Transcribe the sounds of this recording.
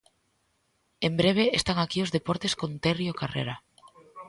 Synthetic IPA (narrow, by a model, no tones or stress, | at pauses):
embɾeβ̞eːst̪aŋakiozðepɔɾt̪eskont̪erjokarḛɾa